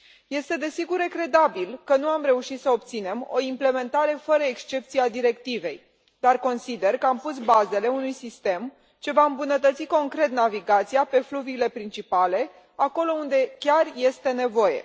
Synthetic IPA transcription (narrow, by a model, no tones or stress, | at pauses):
je̞st̪e̞d̪e̞siɡuɾekɾe̞d̪abilkənuamɾe̞uʃit̪səop̚t̪sine̞mo̞̰imple̞me̞nt̪aɾe̞fəɾəekst͡ʃe̞p̚t̪siad̪iɾe̞kt̪ive̞j | d̪arko̞nsid̪e̞rkəampus̬baze̞le̞unujsist̪e̞m | t͡ʃe̞vaɨmbunət̪ət̪siko̞ŋkɾe̞t̪naviɡat̪sijape̞fluviːle̞pɾint͡ʃipale̞ | ako̞lo̞und̪e̞kʲarje̞st̪e̞ne̞vo̞je̞̰